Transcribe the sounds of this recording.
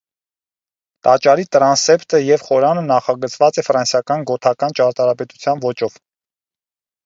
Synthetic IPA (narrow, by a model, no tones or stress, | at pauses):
t̪ɑt͡ʃɑɾit̪əɾɑnsɛpt̪əjɛvχɔɾɑnənɑχɑɡət͡sʰvɑt͡sɛfɾɑnsjɑkɑnɡɔt̪ʰɑkɑnt͡ʃɑɾt̪ɑɾɑpɛt̪u̥t͡sʰjɑnvɔt͡ʃɔv̥